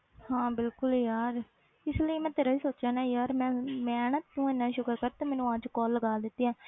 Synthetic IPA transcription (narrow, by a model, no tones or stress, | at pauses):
ɦãːbɪlkʊljaːɾ | ɪsləiːmɛ̃ːt̪eːɾaːiːsoːt͡ʃaːnaːjaːɾmɛ̃ːmɛːnət̪nũːenːãːʃʊkəɾkəɾt̪aːmɛːnũːəd͡ʒkɔːlːəɡaːd̪ɪt̪ːiːãː